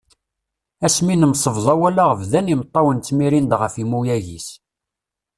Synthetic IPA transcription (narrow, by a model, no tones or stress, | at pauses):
æsminəmsˤəvðˤɑwælaʁəvðænimt̪ˤːɑwənt͡s̪ːmiɾind̪ʁəfimujæʝḭs